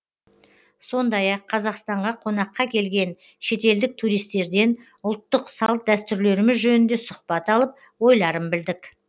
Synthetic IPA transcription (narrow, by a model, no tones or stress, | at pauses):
so̞nd̪ɑjɑqʰːɑzɑqst̪ɑɴʁɑqʰo̞nɑqːɑkʲʰe̞lɡʲe̞n | ʃe̞t̪e̞ld̪ɪk̚t̪ʰuɾijst̪e̞ɾd̪e̞n | ʊlˠt̪ːəqsɑlˠt̪̚d̪æst̪ʏɾle̞ɾɪmɪzʒɵnɪnd̪e̞sʊχpɑt̪ɑlˠəp̚ | wo̞jlˠɑɾəmbɪld̪ɪk